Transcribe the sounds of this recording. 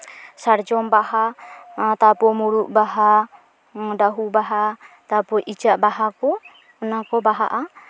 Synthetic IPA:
sard͡ʒɔmbaɦa | t̪apɔmuɾuʔbaɦa | daɦubaɦat̪apɔʔid͡ʒaʔbaɦakɔ | ɔnakɔbaɦaʔa

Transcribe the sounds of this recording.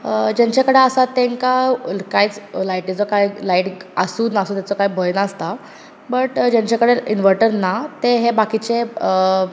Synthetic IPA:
d͡ʑaɲt͡ɕakəɽeasat̪ːẽŋkakajt͡slajʈit͡sɔkajlaiʈasuːnasuːt̪jat͡sɔkajbʱəjnaəst̪a | bəʈd͡ʑaɲt͡ɕakəɽeinʋəɾʈəɾnat̪eɦebakit͡ɕe

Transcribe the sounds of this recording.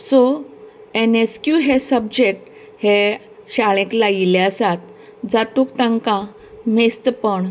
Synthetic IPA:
so | eneskjuɦesəbd͡ʑek̚ʈ | he | ɕaɭ̃ẽklaileəsat̪ | d͡zat̪uːkt̪ãŋkã | mest̪pəɳ

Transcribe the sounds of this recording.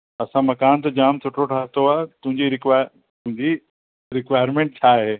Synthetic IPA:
ɐsãmɐkaːnt̪̬ɐd͡ʑaːmt̪ʰʊʈʰoʈʰaːt̪oaːt̪ʊ̃ɦɪ̃ɲd͡ʑiɾɪkʋa | t̪ʊ̃ɦɪ̃ɲd͡ʑi | ɾɪkʋaːɪəɾmẽːɳʈ̚t͡ɕʰaːɦeː

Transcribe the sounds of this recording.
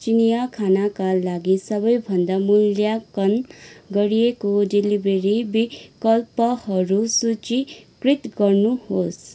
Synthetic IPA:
t͡ʃinijakʰanakalaɡisʌbʌjbʱʌnd̪amuljakʌnɡʌɽijekodelibeɾibikʌlpʌhʌɾusut͡ʃikrit̪ɡʌrnuhos

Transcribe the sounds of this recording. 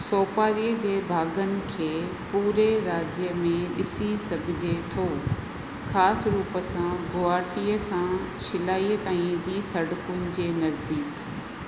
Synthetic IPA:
soːpaːɾiːəd͡ʑeːbʱaːɡənɪ̆kʰeːpuːɾeɾaːd͡ʑjəmẽɪ̰sisɐɡʱɪd͡ʑet̪ʰoː | xaːsɾuːpəsãɡoːaːʈiəsã | ʃɪlaːiət̪aːĩd͡ʑiːsɐɽʊkʊnɪ̆d͡ʑeːnɐzd̪iːk

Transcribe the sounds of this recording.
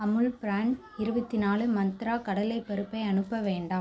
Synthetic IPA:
ɐmɯɭpɾaːɳ | ɪɾɯbɐt̪ːɪnaːlɯmːɐnt̪ɪɾaːkɐɽɐlɐɪpːɐɾɯpːɐɪɐnɯpːɐʋeːɳɖaːm

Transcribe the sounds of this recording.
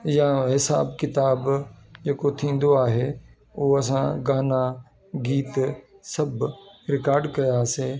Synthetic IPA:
jãɦɪsa̰ːbkɪt̪aːbd͡ʑeːkot̪ʰĩːn̆d̪oaːɦe | oːɐs̬ã̰ɡaːna | ɡiːt̪sɐbɾɪkaːɾɖkɐjaːseː

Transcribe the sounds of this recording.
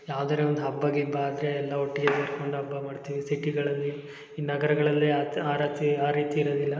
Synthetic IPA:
jaːʋd̪ɐɾeond̪uɦɐbːɐɡibːaːd̪ɾeɛlːɐɦoʈːiɡet̪iʈko̞ɳɖuɐbːɐmaːɖt̪iːʋisiʈiɡɐɭɐlːiː | nɐɡɐɾɐɡɐɭɐlːiaaːɾat̪iaːɾiːt̪iːɾod̪ilːɐ

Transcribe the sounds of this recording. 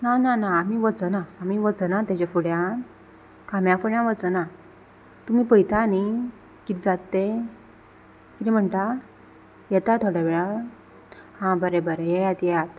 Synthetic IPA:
nananaːmiʋət͡sənaːmiʋət͡sənat̪at͡ɕefuɽjã | kʰamjãfuɽjãʋət͡sənã | t̪um̤iːpəjt̪ani | kit̪d͡zat̪ːe | kit̪em̤əɳʈ̪a | jɛt̪at̪ʰoɽaʋeɭa | hãbəɾẽbəɾejɛjat̪jɛjat̪

